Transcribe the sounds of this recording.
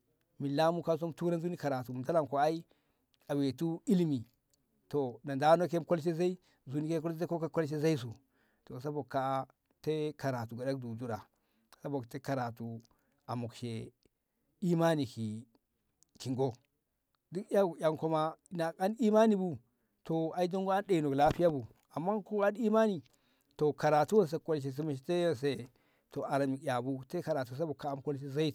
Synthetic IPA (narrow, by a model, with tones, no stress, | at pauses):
mi˨la˦mu˦ka˦s̬o˦mtu˦ɾa˦nzu˦ni˦ka˨ɾa˨tu˨m˨da˦la˨ŋko˨a˦i˦ | a˨we˨tu˦i˦lmi˨ | to˨na˨nda˦no˦ke˦mko˦lʃ̬e˦za˦i˦ | zu˦ni˦ke˦ko˦la˦ko˦ka˦ko˦lʃ̬e˦za˦i˦s̬u˨ | to˨s̬a˦bo˨kːa˨˦ | te˦ka˨ɾa˨tu˨ɡa˨da˦k̚du˨du˦ɾa˨ | sa˦bo˨kte˦ka˨ɾa˨tu˨ | a˨mu˨kʃe˨ | i˦ma˦ni˨ki˨ | ki˨ŋɡo˦ | di˦ka˦˨ja˨ŋko˦ma˦na˨a˦ni˦ma˦ni˨bu˦ | to˨a˨˦i˦do˦ŋɡo˦a˦nɗe˨i˨no˨kla˦pi˦ja˦bu˨ | a˨mːa˦ku˦a˦ni˦ma˦ni˨ | to˨ka˨ɾa˨tu˦wo˦ns̬e˨˦ko˦lʃ̬e˨s̬i˦ma˨ʃ̬te˦ja˦ns̬e˦ | to˨a˨ɾa˨mi˨kja˨bu˦te˦ka˨ɾa˨tu˨s̬a˦bo˨kːa˦m˦ko˦lʃe˦za˦i˦t